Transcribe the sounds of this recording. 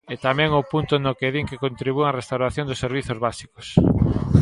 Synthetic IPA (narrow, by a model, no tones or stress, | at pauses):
et̪amɛ̃ŋʊpunt̪ʊnokeðiŋkekont̪ɾiβ̞ueŋaɐrest̪awɾaθjond̪ʊsːeɾβ̞iθozβasi̥kos